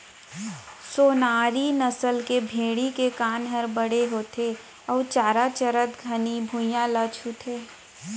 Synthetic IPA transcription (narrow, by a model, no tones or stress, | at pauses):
soːnaːɾinəsəlkebʱeːɽikekaːnɦəɾbəɽeɦoːt̪ʰe | ɔːɾt͡ʃaːɾat͡ʃəɾət̪ɡʱənibʱujãlət͡ʃʰɦut̪ʰeː